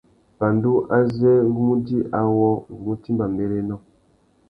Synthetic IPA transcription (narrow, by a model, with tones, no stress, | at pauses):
ba˨ndu˦ʔa˦zɛ˦ɣu˦mu˦di˦ʔa˨wɔ˦ɣu˨mu˦ti˦mba˨mbe˦ɾe˦nɔ̃˦˨